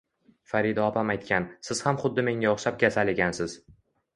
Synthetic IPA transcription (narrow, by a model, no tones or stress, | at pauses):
faɾid̪ɒpʰamajt̪kʲansɪz̥hamχʊd̪ːɪme̞ŋʲaɒχʃap̚ɡʲasalɪɡʲansɪz̥